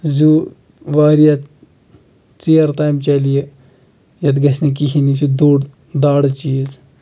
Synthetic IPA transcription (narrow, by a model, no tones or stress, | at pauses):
zuː | ʋaːɾjat̪ | t͡siɐɾt̪aːjmt͡ʃɐlije | jɐt̪ɡɐsnik̬iɦinisud̪oːɽ | d̪aːɽt͡ʃiːz